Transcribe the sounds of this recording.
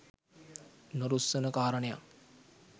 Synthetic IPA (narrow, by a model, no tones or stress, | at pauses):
noɾusːənəkaːɾəneja̰